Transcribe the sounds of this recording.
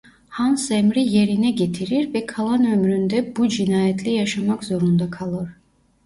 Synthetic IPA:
hansemɾijeɾinɛɟe̞t̪ʰiɾiɾvɛkʰalˠanømɾynd̪ɛbud͡ʒinaːjɛt̪ʰlʲɛjaʃamakzo̞ɾund̪akʰalˠɯɾ̥

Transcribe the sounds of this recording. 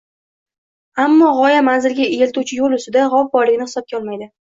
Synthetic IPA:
amːɒʁɒjamanzɪlɡʲaeelt̪ut͡ʃʰɪjolʊsɪd̪aʁɒf̚bɒɾlɪɡʲɪnɪhɪ̥sɒp̚kʲɒlˠmajd̪ɪ

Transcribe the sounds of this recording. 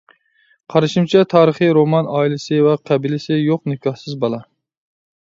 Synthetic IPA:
qʰɑɾɨʃimt͡ʃʰɛt̪ʰɑːɾəχɨɾomɑnɑːilɪsɪvɛqʰæbilɪsɪjoqnɪkʰɑhsɨzbɑlˠɑ

